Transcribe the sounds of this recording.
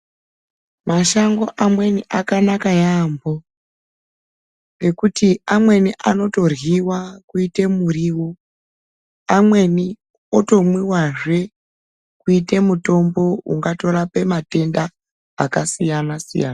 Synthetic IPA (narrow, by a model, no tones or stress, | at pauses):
maʃaŋɡo̞ʔamwe̞niʔakanakajaːmbo̞ | ne̞kutiamwe̞niʔano̞to̞rwiwakuite̞muriwo | amwe̞ni | oto̞mwiwaʐe̞ | kuite̞muto̞mbo̞ṵŋɡato̞ɾape̞mate̞ndaː | kasijanasḭja̰ːna